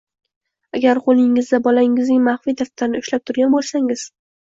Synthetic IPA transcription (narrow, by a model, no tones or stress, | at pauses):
aɡʲaɾqʰolˠɪŋːɪzd̪abɒlaɪŋɪznɪŋmaχfid̪aft̪ʰaɾɪnɪʊʃlap̚t̪ʰʊɾɡʲanbolˠsaŋɪz̥